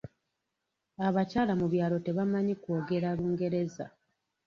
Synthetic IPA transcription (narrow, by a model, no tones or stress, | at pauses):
aβacaːlamuβjaːlo̞te̞βamaɲikwo̞ːɡe̞ɾaluːŋɡe̞ɾe̞za̰